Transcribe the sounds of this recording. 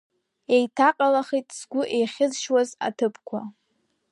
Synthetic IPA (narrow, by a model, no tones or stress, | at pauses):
ejtʰaqʼalaχijtʼzɡʷʊʔejχʲɪzʃwaza̰tʰɨpʰkʷʰa